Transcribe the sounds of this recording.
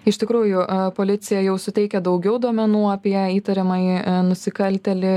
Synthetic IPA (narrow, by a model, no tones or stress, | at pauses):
ɪʃʲt̪ʲɪkɾuːjʊpoːlʲɪt̪sʲɪjɛjɛʊsʊt̪ʲɛɪkʲɛd̪ɐʊɡʲɛʊd̪uɔmʲɛnuːɑpʲiɛiːt̪ɐɾʲɛmɐɪnʊsʲɪkɐlʲt̪ʲɛlʲɪ